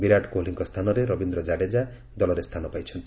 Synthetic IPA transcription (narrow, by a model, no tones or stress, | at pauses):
biɾaʈkoliŋkɔst̪ʰanɔɾeɾɔbind̪ɾɔd͡ʒaɽed͡ʒa | d̪ɔlɔɾest̪ʰanɔpajt͡ʃʰɔnt̪i